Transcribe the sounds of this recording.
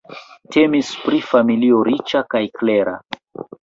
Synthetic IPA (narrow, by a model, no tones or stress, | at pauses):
tʰe̞mispɾifamilioɾit͡ʃakajkle̞ɾa̰